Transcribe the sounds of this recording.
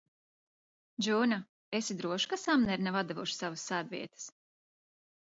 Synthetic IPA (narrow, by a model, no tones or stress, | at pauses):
d͡ʒuːna | esid̪ɾuɔʃkasamnɛɾnɛvad̪avuʃsavasːæːd̪vḭɛt̪ɨ̥s